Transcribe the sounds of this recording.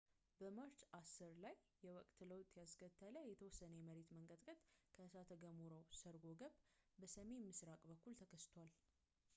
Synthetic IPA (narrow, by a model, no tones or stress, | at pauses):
bəməɾt͡ʃasːɨɾlajːɛwɔkʼt̪ləwt̪ʼjaskʰət̪ʰʼːələjɛt̪ʰəwɔsːənəməɾe̞t̪məŋkʼəd̪ʼkʼət̪ʼkʰəsat̪ʰəɡəmuɾəwsəɾɡo̞ɡəβbəsəme̞nmɨsɾakʼbəkːult̪ʰəkʰəst̪ʰwal